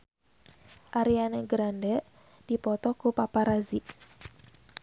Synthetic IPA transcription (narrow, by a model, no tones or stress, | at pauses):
ʔaɾianeɡɾandɛʔ | d̥ipɔt̪ɔkupapaɾaziʔ